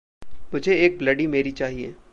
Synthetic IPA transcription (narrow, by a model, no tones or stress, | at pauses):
mʊd͡ʒʱeeːk̚blɐɖimeːɾit͡ʃaːɦiḛː